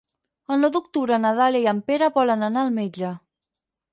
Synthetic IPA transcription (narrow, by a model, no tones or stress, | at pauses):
ənloðuk̚t̪uɾənaðaleiampeɾəβɔlənənaəlˠmed͡ʒə